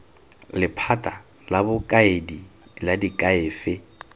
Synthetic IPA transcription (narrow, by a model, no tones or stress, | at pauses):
lɪpʰatʼa | labʊkʼaedi | ladikʼaeːfɪ